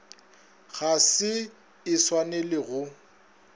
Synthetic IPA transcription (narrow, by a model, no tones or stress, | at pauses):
ɣasɪ | ɪswanelɪɣʊ